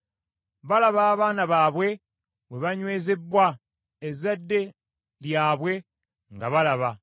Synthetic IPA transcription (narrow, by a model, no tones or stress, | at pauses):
βalaβaːβaːnaβaːβwe̞ | βwe̞βaɲwe̞ːzebːwa | ezadːe̞ | ljaːβwe̞ | ŋɡaβalaβa